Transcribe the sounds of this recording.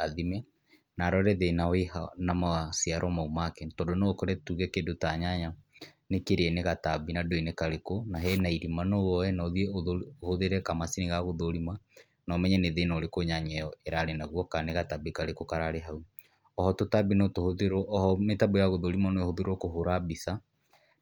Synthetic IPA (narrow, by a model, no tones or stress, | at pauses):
aðimɛ | naɾɔɾɛðenawehanamasiaɾʔɔmaumakɛtɔːndonɔkɔɾɛtuɣɛkedotaɲaɲa | nekeɾeɛneɣatabinadoinekaɾekonaɦɛnaiɾimanowɔɛnɔðieoðohoðeɾɛkamasineɣaɣoðoɾimwa | nɔmɛɲɛneðenoɾekoɲaɲɛjɔeɾaɾenaɣwɔkaneɣatabikaɾekokaɾaɾeɦau | ɔhɔtotabinɔtohoðeɾʔhɔmetabojaɣoðoɾimwanoehoðeɾokoɦoɾabisa